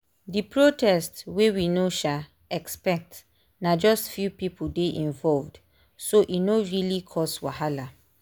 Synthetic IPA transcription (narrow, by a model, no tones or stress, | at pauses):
dipɹotʰɛstwewinoʃa | ɛkspɛk̚t | nad͡ʒɔstfjupipʰudeʔĩɱvɔlvd | soʔinoɹilikʰɔswahala